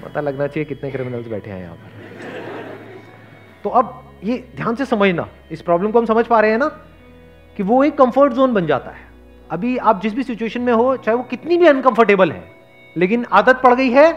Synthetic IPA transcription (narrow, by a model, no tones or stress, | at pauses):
pɐ̰t̪alɐɡnat͡ʃaːiekɪt̪nekɾɪmɪnəlsbɛ̰ːʈʰḛa̰ːḛ̃j̰ɦã̰ːpəɾ | t̪oːɐb | jed̪ʱjaːnsesɐməd͡ʒʱna̰ | ɪspɾɔːblə̃mkoɦɐmsɐməd͡ʒʱpaːɾɐɦẽɦɛna | kiʋoeːkːɐ̃mfəɾʈzoːnbɐnd͡ʒa̰ːt̪a̰ɦɛː | ɐbʱiaːp̚d͡ʒɪs̬bʱisɪt͡ʃueːʃənmẽɦot͡ʃaːɦeʋokɪt̪nibʱiɐ̃nkɐ̃mfəɾʈeːbəlɦɛ̰ː | leːk̬ɪnaːd̪ət̪̚pɐɽɡɐiɦɛː